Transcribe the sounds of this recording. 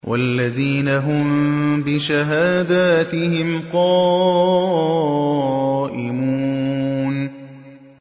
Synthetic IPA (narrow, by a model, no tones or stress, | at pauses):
wʔa̰lːaðiːnaɦʊmbɪʃaɦaːd̪aːt̪ɪhɪmqɑː | ʔɪmuːn